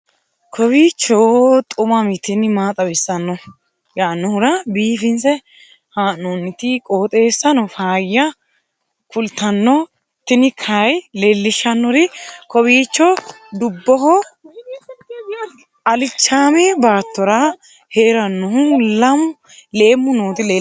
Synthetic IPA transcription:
kʰɔbiːt͡ʃːɔt̪ʼʊmɐmɪt̪ːɪnɪmaːt̪ʼɐbɪsːɐnːɔ | jaːnːʊhʊɾɐbiːfɪnsɛ | haːnːɔnːɪt̪ɪkʼoːt̪ʼe̞ːsːɐnɔfaːjːɐ | kʊlt̪ːɐnːɔ | t̪ːɪnɪkʰɐjlelːɪʃːɐnːɔɾɪkɔbiːt͡ʃːɔ | d̪ʊbːɔhɔ | ɐlɪt͡ʃːaːmɛbaːt̪ːɔɾɐ | heːɾɐnːɔhʊlɐm | leːmːʊnoːt̪ɪleː

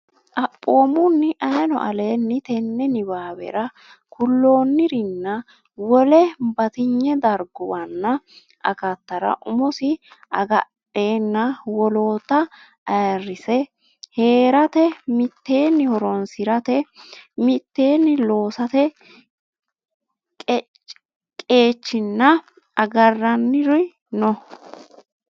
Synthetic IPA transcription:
ʔɐpʼːo̞ːmʊnːɪʔɐjnɔ̰ʔɐle̞ːnːɪt̪ɛnːɛnɪbaːbɛ̰ɾɐ | kʊlːo̞ːnːɪɾɪnːɐ | wɔlɛbɐt̪ɪɲːɛd̪ɐɾɡʊwɐnːɐ | ʔɐ̰kɐt̪ːɐɾɐ̰ʔʊmʊsɪʔɐɡɐᶑe̞ːnːɐwɔlo̞ːt̪ːɐ | ɐjrːɪsɛ | he̞ːɾɐt̪ɛmɪt̪ːe̞ːnːɪhɔɾɔnsɪɾɐt̪ɛmɪt̪ːe̞ːnːɪlo̞ːsɐt̪ɛ | kʼ | kʼe̞ːt͡ʃːɪnːɐ | ɐɡɐrːɐnːɪɾʊj | nɔ

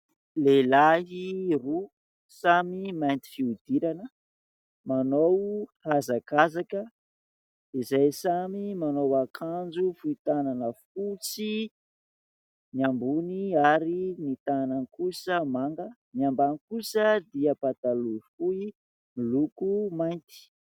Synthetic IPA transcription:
lelaɦiru | samimajnt̪i̥fiud̪iɾanə | manowhazakazakə | izajsamimanowakʰand͡ʒufuit̪ananəfut͡si | niambuniaɾinit̪anankusəmaŋɡəmiambanikusəd̪iapat̪aluifui | milukumajnt̪i̥

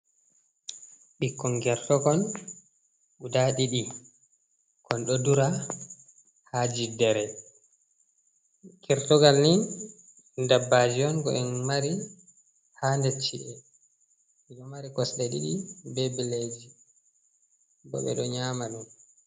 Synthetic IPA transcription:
ɓikːɔnɡɛɾtɔɡɔn | ɓudaɗiɗi | kɔnɗɔduɾa | had͡ʒidɛɾɛ | kɛɾtɔɡalnin | ndabːad͡ʒiɔnɡɔ̰ʔɛnmaɾi | handɛt͡ʃːḭʔɛ | iɗɔmaɾikɔsɗɛɗḭɗibɛbɛled͡ʒi | bɔ̰ɓɛ̰ɗɔɲaːmaɗum

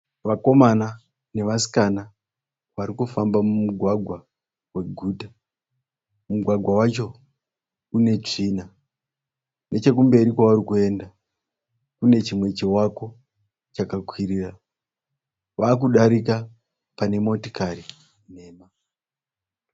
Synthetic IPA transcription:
ʋako̞mana | ne̞ʋasi̥kana | ʋaɾikufambamumuɡʱwaɡʱwa | we̞ɡʱuːta | muɡʱwaɡʱwawat͡ʃo̞ | une̞t͡ʂina | ne̞t͡ʃe̞k̬umbe̞ɾikwaʋaɾikue̞nda | kune̞t͡ʃimwe̞t͡ʃewako̞ | t͡ʃakakʰwiɾiːra | ʋaːk̬uɗaɾik̬a | pane̞mo̞to̥kari | ne̞ːma

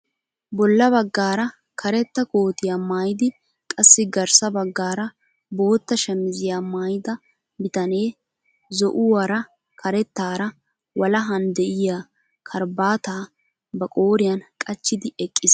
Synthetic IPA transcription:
bɔlːɐbɐɡːaːɾɐ | kʰɐɾɛt̪ːɐko̞ːt̪ɪjaːmaːjɪd̪ɪ | kʼɐsːɪɡɐɾsɐbɐɡːaːɾɐ | bo̞ːt̪ːɐʃɛmɪzɪjaːmaːjd̪ɐ | bɪt̪ɐneː | zɔʔʊwɐɾɐ | kʰɐɾɛt̪ːaːɾɐ | wɐlɐɦɐnd̪ɛʔɪjaː | kʰɐɾbaːt̪aː | bɐkʼo̞ːɾɪjɐnkʼɐt͡ʃːɪd̪ɪʔɛkʼːɪs

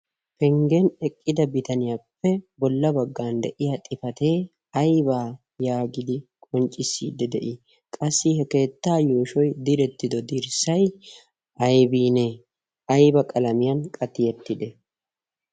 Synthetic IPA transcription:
pɛŋɡenɛkʼːɪd̪ɐbɪt̪ɐnɪjapːɛbɔlːɐbɐɡːaːnd̪ɛʔɪjat̪ʼɪfɐt̪e̞ː | ɐjbaː | jaːɡɪd̪ɪkʼɔnt͡ʃʼːɪsːḭːd̪ːɛd̪ɛʔɪ | kʼɐsːɪhɛke̞ːt̪ːaːjoːʃɔjd̪ɪɾɛt̪ːɪd̪ɔd̪iɾsɐj | ɐjbiːneː | ɐjbɐkʼɐlɐmɪjɐnkʼɐt̪ːɪjɛt̪ːɪd̪ɛ

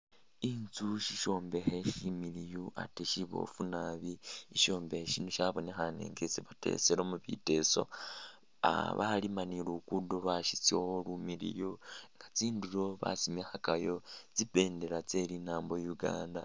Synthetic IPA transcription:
int͡suʃiʃo̞ːmbe̞xe̞ʃimiɾijoʔa̰teʃiβo̞̰funaβiiʃo̞ːmbeheʃinuʃaβo̞nexanḛŋɡet͡siβate̞̰seɾomuβḭte̞so̞̰ | a̰βa̰limanilukudolaʃit͡soholumiɾḭjoŋɡat͡siːnduɾo̞βa̰simexakajo̞t͡sipe̞ːnde̞ɾat͡se̞ɾinaːmbojuɡa̰ːnda

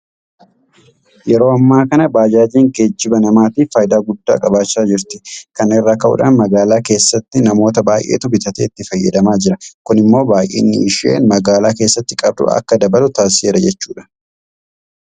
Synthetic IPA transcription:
jɛɾo̞ːɐmːaːkɐnɐbaːd͡ʒaːd͡ʒiːŋɡed͡ʒːɪbɐnɐmaːt̪iːffɐjɪd̪aːɡʊd̪ːa̰ːkʼɐbaːt͡ʃːaːd͡ʒɪɾt̪ɪ̥kɐnɪrːaːkɐʔʊ̰ᶑa̰ːnmɐɡaːlaːke̞ːsːɐt̪ːɪnɐmo̞ːt̪ɐbaːjʔeːt̪ʊbɪt̪ɐt̪eːɪt̪ːɪfɐjːɛ̰d̪ɐmaːd͡ʒɪɾɐkʊnɪmːo̞ːbaːjʔḛːnːɪɪʃɪḛːnmɐɡaːlaːkeːsːɐt̪ːɪkʼɐb̚d̪ʊ̰ɐ̰kːɐd̪ɐbɐlʊt̪aːsɪeːɾɐd͡ʒɛt͡ʃːuːᶑɐ̥

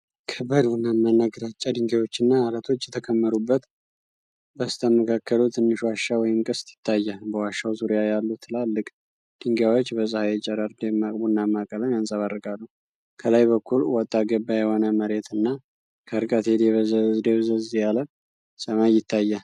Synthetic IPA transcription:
kʰəbəd̪bunːamːanːaɡɾat͡ʃʼːad̪ɨŋɡawo̞t͡ʃːɪnːaːɾət̪ʰo̞t͡ʃːjɛt̪ʰəkʰəmːəɾubːət̪ | bəst̪ʰəməkʰakʰːəlut̪ʰɨnːɨʃwaʃːawɔjɪmkʼɨst̪jɪ̥t̪ʰːajːabəwaʃːawzuɾjajalːut̪ʰɨlalːɨkʼ | d̪̥ɨŋɡjawot͡ʃːbəsʼəhajɛt͡ʃʼɛɾaɾd̪emakʼbunːamːakʼələnjansʼaβarːɨkʼalːu | kʰəlajbəkʰːulwɔt̪ʼːaɡəbːajɛhonəməɾe̞t̪ɨnːa | kʰəɾkʼət̪ʰed̪eβd̪eβzəzjalə | sʼəmajːɪt̪ʰːajːa

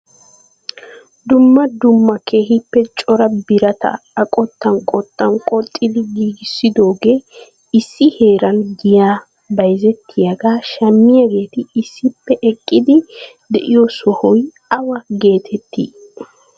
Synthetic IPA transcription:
d̪ʊmːɐd̪ʊmːɐkʰeːhɪpːɛt͡ʃʼɔɾɐbɪɾɐt̪ɐ̰ɐkʼɔt̪ːɐnkʼɔt̪ːɐnkʼɔt̪ʼːɪd̪ɪɡiːɡɪsːɪd̪o̞ːɡeː | ɪsːɪhe̞ːɾɐnɡɪjaː | bɐjzɛt̪ːɪjɐɡaːʃɐmːɪjɐɡe̞ːt̪ɪːsːɪpːɛʔɛkʼːɪd̪ɪ | d̪ɛʔɪjɔsɔhɔj | ɐwɐɡe̞ːt̪ʰɛt̪ːḭː

